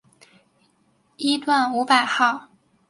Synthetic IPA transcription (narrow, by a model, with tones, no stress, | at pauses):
i˥t̪wa˥˩nu˧˥pa˨˩ɪxɑ˥˩ʊ